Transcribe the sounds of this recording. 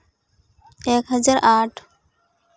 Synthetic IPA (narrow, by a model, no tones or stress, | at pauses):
ɛkɦʌd͡ʑaɾaʈʰ